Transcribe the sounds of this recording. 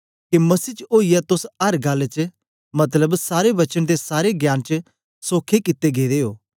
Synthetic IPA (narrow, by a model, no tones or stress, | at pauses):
kemɐsiːt͡ʃoːijɛt̪ʊsɐɾɡaːlt͡ʃə | mɐt̪ləbsaːɾeʋɐt͡ʃəñd̪esaːɾeɡjaːnt͡ʃə | soːkʰekɪt̪ːeɡeːd̪eːoː